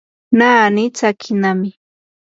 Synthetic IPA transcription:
naːnɪt͡sakʰɪnamɪ

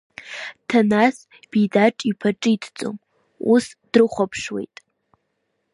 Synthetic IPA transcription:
tʰanas | b̥ijdaʈ͡ʂʼipʰaʈ͡ʂʼɨitʰt͡sʼo̰m | usd̥rɨχʷapʰʂwe̞̰jtʼ

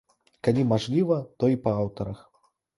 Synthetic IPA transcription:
kalʲimaʐlʲivɐt̪ɔipɐawt̪ɐɾɐx

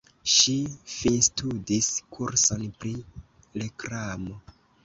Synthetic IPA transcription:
ʃifinstudiskʰuɾsonpɾi | lekɾamo

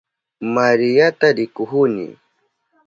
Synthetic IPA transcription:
maɾɪjat̪aɾɪkʊxʊnɪ̰

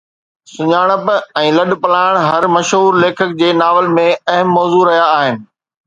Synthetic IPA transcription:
sʊɲaːɽ̃əpɛ̃ːlɐɗpɐlaːɪɽ̃ɦɐɾmɐʃɦuːɾleːkʰək̚d͡ʑeːnaːʋəlmẽɐɦəmːɔːzuɾɐɦijaːɦɪnɪ̆

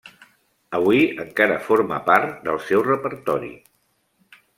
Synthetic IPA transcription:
əβuiəŋkaɾəfoɾmə̰paɾt̪d̪əlˠsɛwrəpəɾt̪ɔɾḭ

